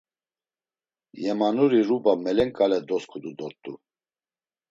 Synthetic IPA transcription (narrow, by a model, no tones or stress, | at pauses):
jɛmanuɾiɾubamɛlɛŋkʼalɛd̪ɔskʰud̪ud̪ɔɾt̪ʼṵ